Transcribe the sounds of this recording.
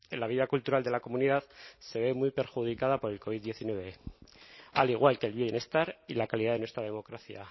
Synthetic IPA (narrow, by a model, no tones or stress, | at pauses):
ḛlaβ̞iðakult̪uɾald̪e̞lako̞muniðaðse̞β̞e̞mwujpe̞ɾxuð̞ikað̞apo̞ɾe̞lko̞βiðːje̞θinwe̞βe̞ | a̰liɣ̞walkelβje̞ne̞st̪aɾilakaliðaðe̞nwest̪ɾað̞e̞mo̞kɾaθja̰